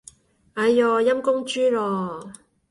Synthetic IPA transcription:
ɐ˨˧jjɔː˨˧jɐ˥mkʊ˥ŋt͡ʃyː˥lɔː˨˧

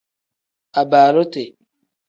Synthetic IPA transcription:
a˨baː˨ɾo˦te˨

